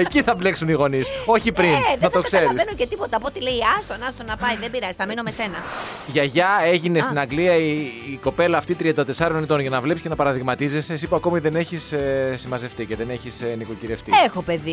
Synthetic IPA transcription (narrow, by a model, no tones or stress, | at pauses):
eciθɐble̞ksuniɣo̞niso̞çipɾineðnɐt̪o̞kse̞ɾisenocet̪ipo̞t̪ɐpo̞t̪ileiɐst̪onɐst̪onɐpɐjðembiɾɐzi̥snɐmino̞mese̞nɐʝɐʝɐe̞ʝine̞sst̪inɐɡliɐiːko̞pe̞lɐːft̪it̪ɾiɐnd̪ɐt̪e̞sɐɾo̞net̪o̞nʝɐnɐvle̞psi̥cenɐpɐɾɐðiɣmɐt̪izesesipoɐko̞miðe̞ne̞çissimɐze̞ft̪iceðe̞ne̞çisniko̞ciɾe̞ft̪iexo̞pe̞ði